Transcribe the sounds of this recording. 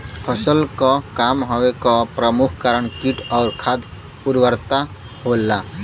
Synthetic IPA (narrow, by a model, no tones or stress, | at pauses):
pʰəsəlkɔkamɦowekɔpɾəmukʰkaɾəɳkiʈʰɔːɾkʰad̪ | puɾwəɾt̪a | ɦolːa